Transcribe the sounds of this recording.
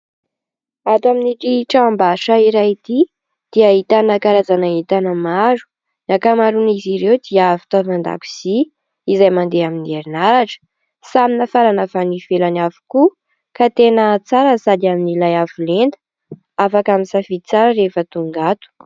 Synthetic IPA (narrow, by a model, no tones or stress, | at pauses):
at̪aminiɾiʈ͡ʂaambaʃaiɾajit̪i | d̪̥iait̪anəkaɾazanaɦit̪anəmaɾu̥ | nakamaɾuniziɾewd̪iəvi̥t̪avand̪a̰ku̥z̥i | izajmand̪eaminieɾinaɾaʈ͡ʂə̥ | saminafaɾanavanifelanavu̥ku | kat̪enət͡saɾəsad̪iaminilajavulend̪ə̥ | afakaminsafiit͡saɾəɾefət̪uŋɡat̪u̥